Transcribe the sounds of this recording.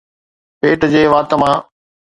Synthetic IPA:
peːʈd͡ʑeːʋaːt̪əmãː

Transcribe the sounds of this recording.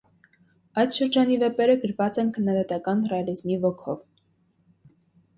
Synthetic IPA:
ɑjt̪ʃəɾd͡ʒɑnivɛpɛɾəɡəɾvɑt͡sɛnkʰənːɑd̪ɑt̪ɑkɑnrɛɑlizmivɔkʰɔ̰v

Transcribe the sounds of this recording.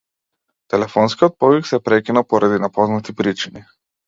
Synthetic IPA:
t̪ɛlɛfɔnskiɔt̪̚pɔviksɛpɾɛkʲinapɔɾad̪inapɔznat̪ipɾit͡ʃini

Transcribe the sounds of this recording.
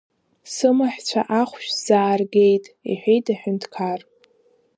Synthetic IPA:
sɨmaħt͡ɕʷʰaʔaχʷʃᶣz̥aːrɡʲe̞jtʼḭħʷᶣejtʰʼaħʊntʰkʰar

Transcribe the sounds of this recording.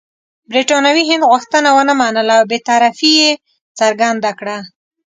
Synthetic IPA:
bɾiʈɑnawiɦɪnd̪ɣʊxt̪ənawənəmɑnəlawbet̪ɑɾafije | t͡saɾɡand̪akɽa

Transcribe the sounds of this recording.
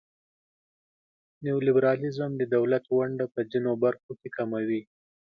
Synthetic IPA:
newolɪbɾɑlɪzəmd̪əd̪awlat̪waɳɖapəzinobaɾxokekamawi

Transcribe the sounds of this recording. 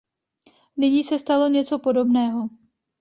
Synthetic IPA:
nɪɲiːsɛst̪alo̞ɲɛt͡so̞po̞do̞bnɛːɦo̞

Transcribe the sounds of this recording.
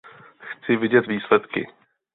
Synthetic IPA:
xt͡sɪvɪɟɛt̪viːslɛt̪kɪ̰

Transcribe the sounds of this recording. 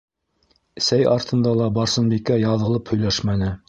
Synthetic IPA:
sæjɑɾt̪ɤ̆nd̪ɑlˠɑbɑɾsɤ̆nbikæjɑðɤ̆lˠɤphɵ̆jlæʃmænɘ

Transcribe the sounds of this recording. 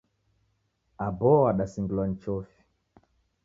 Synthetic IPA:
abɔaɗasiŋɡulwan̩t͡ʃɔfi̥

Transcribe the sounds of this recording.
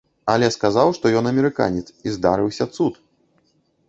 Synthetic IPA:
ɐlʲɛskazawʂt̪ɔjɔnɐmʲɛɾɨka̰nʲɛt̪sizd̪aɾɨwsʲɐt̪sut̪

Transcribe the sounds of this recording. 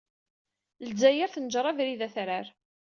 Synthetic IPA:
lzæjəɾθənd͡ʒɾˤɑvɾiðæθɾaɾ

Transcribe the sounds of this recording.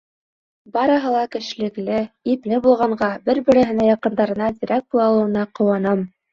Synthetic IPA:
bɑɾɤ̆ɦɤlˠɑkɘ̆ʃɘ̆lɘ̆klɘiplɘbulˠʁɑɴɢɑbɘɾbɘ̆ɾɘ̆ɦɘ̆næjɑqɤ̆nd̪ɑɾɤ̆nɑd̪ʲiɾæk̚bulˠɑlˠɤ̆wɤ̆nɑqŏwɑnɤm

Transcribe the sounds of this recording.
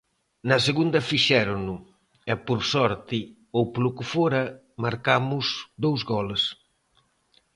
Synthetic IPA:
nɐs̬eɣund̪ɐfiʃɛɾonʊ | ɛpoɾsɔɾt̪i | owplukɪfoɾɐ | maɾkamʊzd̪owzɣɔles

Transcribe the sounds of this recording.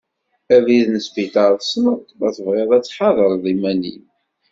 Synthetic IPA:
æviðnəsfit̪ɑɾˤsməʁt̪mæθəvʁeðˤæt͡sːħɑðˤəɾˤðˤimænḭn

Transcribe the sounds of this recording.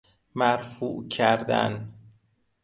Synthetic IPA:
mæɾfuːʔcʰæɾd̪æ̰n

